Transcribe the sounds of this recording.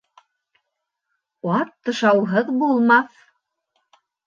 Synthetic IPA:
ɑt̪ːɤ̆ʃɑwɦɤðbulˠmɑθ

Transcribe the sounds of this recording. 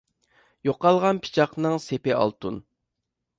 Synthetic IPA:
joqɑlˠʁɑnpʰi̥t͡ʃʰɑqnɨŋsepɪɑ̰lˠt̪un

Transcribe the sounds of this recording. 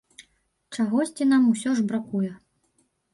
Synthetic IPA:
t͡ʂaɣɔsʲt͡sʲinamusʲɔʐbɾakujɛ

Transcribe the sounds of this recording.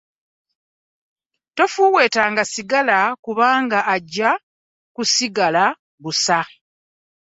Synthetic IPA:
to̞fuːwe̞ːtaːŋɡasiɡalakuβaːŋɡaʔːɟːa | kusiɡala | βusa

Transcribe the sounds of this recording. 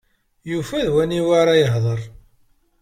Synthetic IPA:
jufæðwæniwaɾˤajəɦðˤəɾˤ

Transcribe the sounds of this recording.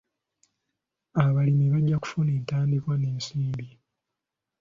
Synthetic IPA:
aβalimiβaɟːaku̥funeːntaːndikwaneːnsiːmbi

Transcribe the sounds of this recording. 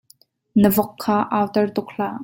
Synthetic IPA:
nəvɔkʰːaːʔawt̪ərt̪ʊk̚ɬaː

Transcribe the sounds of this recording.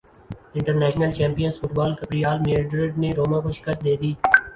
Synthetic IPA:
ɪ̃ɳʈəɾnɛːʃnəlt͡ʃɛ̃ːmpijənsfʊʈbaːlkəpɾijaːlmeɖɾəɖneɾoːmãːkoʃɪ̥kəst̪̚d̪eːd̪iː

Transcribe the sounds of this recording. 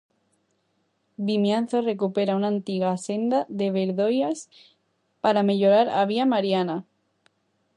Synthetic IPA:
bimjan̟θore̞kupe̞ɾaunant̪iɣase̞nd̪aðe̞βe̞ɾðo̞jas | paɾame̞ʎo̞ɾaɾaβ̞iamaɾjana

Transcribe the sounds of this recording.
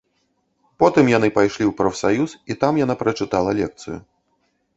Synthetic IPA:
pɔt̪ɨmjan̪ɨpajʂlʲiwpɾɐfsajusit̪amjanapɾɐt͡ʂɨt̪alˠɐlʲɛk̚t̪sɨ̰jṵ

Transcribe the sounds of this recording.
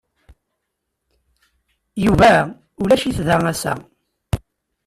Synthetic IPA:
juvæ | ʊlæʃiθðææsæ̰

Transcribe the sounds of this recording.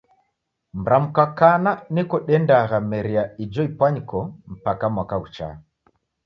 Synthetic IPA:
m̩ɾam̩kakananikɔɗɛndaɣamɛɾiaid͡ʒɔipwaɲkɔm̩pakamwakaut͡ʃa̰

